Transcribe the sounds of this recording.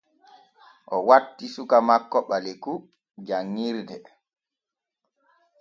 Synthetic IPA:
ʔɔwatːisukamakːɔɓalɛku | d͡ʒaŋːiɾdɛ

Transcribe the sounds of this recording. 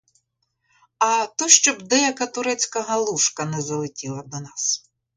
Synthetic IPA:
ɐt̪ɔʃt͡ʃɔbd̪ɛjɐkɐt̪ʊɾɛt͡sʲkɐɦɐlˠuʃkɐnɛzɐlˠɪtʲilˠɐd̪ɔnɑs

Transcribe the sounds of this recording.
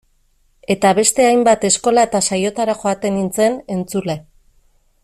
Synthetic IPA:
e̞t̪aβe̞st̪e̞ajmbat̪e̞sko̞laet̪asajo̞t̪aɾaxo̞at̪e̞nint͡se̞ne̞nt͡sule̞

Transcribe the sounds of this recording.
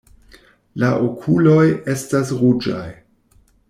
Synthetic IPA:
laʔokʰulo̞je̞stasɾud͡ʒa̰j

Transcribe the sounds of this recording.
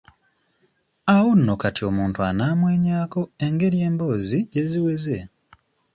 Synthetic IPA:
awonːokatio̞muːntuanaːmweːɲaːko̞e̞ŋɡe̞ɾje̞ːmbo̞ːziɟe̞ziwe̞ze

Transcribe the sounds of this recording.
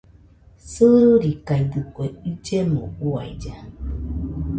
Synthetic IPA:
sɨɾuɾikaidɨkʷeid͡ʒemo̰ua̰id͡ʒa

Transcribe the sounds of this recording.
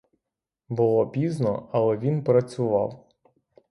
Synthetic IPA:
bʊlˠɔpʲiznɔ̰ɐlˠɛʋʲinpɾɐt͡sʲʊʋɑ̰w

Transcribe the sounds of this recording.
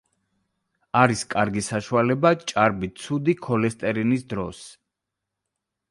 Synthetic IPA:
aɾiskʼaɾɡisaʃualɛbat͡ʃʼaɾbit̪sʰud̪ikʰɔlɛst̪ʼɛɾinisd̪ɾɔs

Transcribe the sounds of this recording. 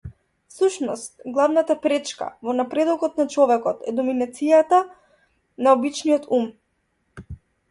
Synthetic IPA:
fsuʃnɔst̪̚ɡlˠavnat̪apɾɛt͡ʃka̰vɔnapɾɛd̪ɔkɔt̪nat͡ʃɔvɛkɔt̪ɛd̪ɔminat̪sijat̪a | naɔbit͡ʃnijɔt̪um

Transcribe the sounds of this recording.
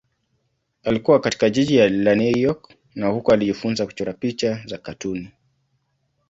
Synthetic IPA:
alikuwakati̥kaʄiʄijalanujɔk | nahukɔaliʄifunzaku̥t͡ʃɔɾapit͡ʃazakatuni

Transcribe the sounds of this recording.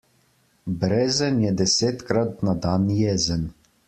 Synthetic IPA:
bɾezɛnjɛd̪ɛseːt̪kɾat̪̚nad̪anjɛzən

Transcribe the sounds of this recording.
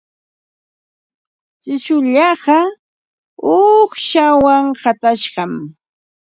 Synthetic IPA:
t͡ʃɪʃʊʎɑɢɑ | oχʃawaŋɢɑt̪aʃɢɑm

